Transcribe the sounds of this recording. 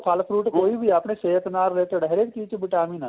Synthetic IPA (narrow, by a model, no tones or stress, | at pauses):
kʰaːlpʰɾuːʈkoːibʱiapneʃeːt̪naːɾːeːt̪eɖəɦɾekiːt͡ʃbɪʈaːmiːna